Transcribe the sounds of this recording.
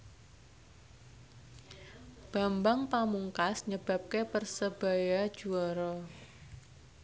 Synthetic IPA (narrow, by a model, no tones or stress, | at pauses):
b̥a̤mbaŋpamuŋkasɲəb̥a̤p̚kepərsəb̥a̤jad̥ʒ̥uɔɾɔ